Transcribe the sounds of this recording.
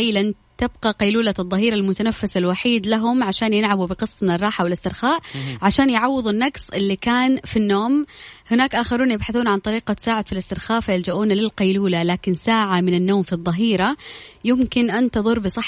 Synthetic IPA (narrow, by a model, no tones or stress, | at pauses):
jlan | t̪ɪb̚qɑqɑjluːlaðˤːɑɦiːɾalmʊt̪anafːɪsalwaħiːd̪laɦʊmʕaʃaːnjɪlʕabubɪqɨsˤːmɪnɪrˤːɑːħawɪlɪst̪ɪɾxaːʔʕaʃaːnjʕɑwːɨðˤʊnːɑɡsˤʔɪlːikaːnfinːoːmhɪnaːkʔaːxɪɾuːnjɪbħaθuːnʕant̪ˤɑɾiːqat̪ɪ̥saːʕɪd̪filɪst̪ɪɾxaːfajɪld͡ʒaʔuːnalɪlqɑjluːlalaːkɪnsaːʕamɪnɪnːoːmfiðˤːɑɦiːɾajɪmkɪnʔant̪ɨðˤʊɾbɨsˤɑħ